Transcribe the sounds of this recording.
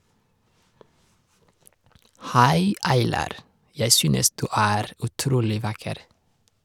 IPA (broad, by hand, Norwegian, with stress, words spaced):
ˈhæɪ ˈɑɪlɑɾ ˈjæɪ ˈsyːnəs ˈdʉː ˈæːɾ ʉˈtɾuːlɪ ˈʋɑkəɾ